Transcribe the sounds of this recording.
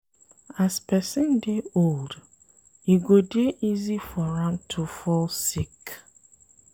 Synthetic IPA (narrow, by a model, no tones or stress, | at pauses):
aspʰɛsɪ̃ndeold | hiɡodeʔizifɔɹãntʰufɔlsik